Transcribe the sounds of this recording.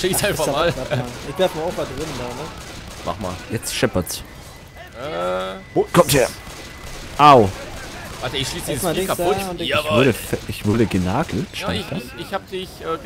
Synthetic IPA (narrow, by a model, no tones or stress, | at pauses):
ʃiːsaɪnfamaːlaɪçd̥ɛɐfmaofvaɡəvɪnəndaːnəma̰χma̰ːljɛt͡stʃɛpɐs | ʔɛːokʰɔmtheːɐ | ʔaʊ | vaːtəɪçʃiːsdiːzskʰaʊtjavʏɐdəfɛʔɪçv̥ʏɐɾəɡənaːɡl̩tʃtaɪɪd̥asɪçhaːb̚dɪçʔɛː